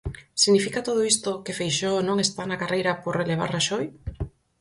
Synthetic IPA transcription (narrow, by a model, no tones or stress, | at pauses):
siɣnifikat̪oð̞oist̪okefejʃonõŋest̪anakarejɾɐpoɾreleβ̞a̰ɾraʃoj